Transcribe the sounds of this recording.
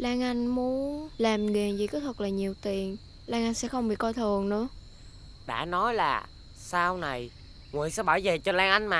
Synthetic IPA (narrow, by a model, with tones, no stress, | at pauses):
laː˧ŋʔa˧jŋ̟mu˨˦ənlaː˨˩mɣɛː˨˩nzḭ˨˧˨kɔ˨˦t̪ʰə˨˩k̚laː˨˩ɲi˨˩əwt̪i˨˩ən | laː˧ŋʔa˧jŋ̟sɛ̰˧˥xə˧wŋ͡mɓḭ˧˨kɔ˧jt̪ʰɨ˨˩əŋnɨ̰˧˥ə | ɗa̰ː˧˥nɔ˨˦jlaː˨˩ | saː˧wna˨˩j | ŋwḭ˧˨ənsɛ̰˧˥ɓaː˧˩jve˨˩t͡ɕɔ˧laː˧ŋʔa˧jŋ̟maː˨˩